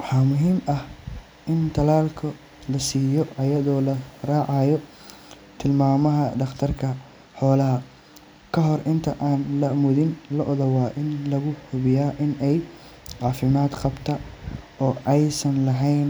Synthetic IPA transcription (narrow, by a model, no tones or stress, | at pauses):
wɑħɑːmʊɦiːmɐh | ʔɪnt̪ʰɐlaːlkʰʊ | lɐsiːjɔʔɐjɐðɔːlɐraːʕɑːjɔ | t̪ʰɪlmaːmɐɦɐd̪ɑqt̪ʰɐrkʰɐ | ħɔːlɐɦɐ | kʰɐɦɔrʔɪnt̪ʰɐʔaːnlɐmʊðɪnlɐʔɔðɐwɑːʔɪnlɐɣʊhʊβɪjaːʔɪnɛj | ʕɑːfɪmaːd̪qɑbt̪ʰɐ | ɔːʔɛjsɐnlɐɦɛjn